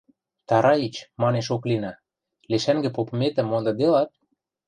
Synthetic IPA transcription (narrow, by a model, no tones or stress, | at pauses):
t̪ɑɾɑit͡ɕmɑneʃ̬oklinɑ | leʃæŋɡɘ̆popɤ̆met̪ə̆mːond̪ɤ̆d̪elɑt̪̚